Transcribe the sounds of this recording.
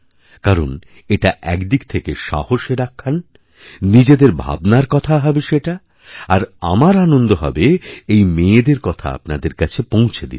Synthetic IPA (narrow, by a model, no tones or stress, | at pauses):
kaɾon | eʈaʔɛkd̪ikt̪ʰekeʃa̰hoʃeɾakʰːan | nid͡ʑed̪eɾbʱa̰bnaɾkɔt̪ʰaɦɔbeʃeʈa | aɾa̰maɾanond̪oɦɔ̰beejmeed̪eɾkɔt̪ʰa̰a̰pnad̪eɾkat͡ɕʰepõw̃t͡ɕʰed̪ḭt̪